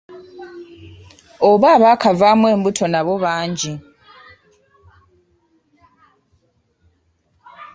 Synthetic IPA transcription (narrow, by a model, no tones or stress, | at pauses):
oβaːβaːkʰavaːmwe̞ːmbutʰo̞naβoβaːɲɟi